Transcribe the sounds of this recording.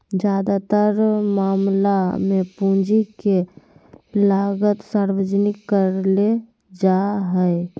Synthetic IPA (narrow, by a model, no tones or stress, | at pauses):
d͡ʒjaːd̪at̪əɾmaːmlamẽpũd͡ʒike | laːɡət̪saːɾwəd͡ʒnɪkːəɾle | d͡ʒaɦɛ